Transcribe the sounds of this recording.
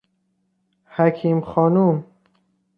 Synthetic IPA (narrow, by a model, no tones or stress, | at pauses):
hækʰiːmxɒːnum